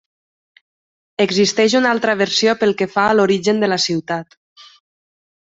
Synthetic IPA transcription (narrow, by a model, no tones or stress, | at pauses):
əɡzist̪ɛʃ̬unalˠt̪ɾəβ̞əɾsiopəlˠkefaəloɾiʒənd̪əlasiwt̪at̪